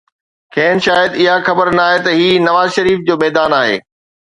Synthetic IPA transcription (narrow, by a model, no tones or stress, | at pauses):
kʰɛ̃ːnʃaːjəd̪ɪɦaxɐbəɾnaːɦet̪ɐɦiːnɐʋaːzʃɐɾiːfd͡ʑoːmɛːd̪aːnaːɦḛː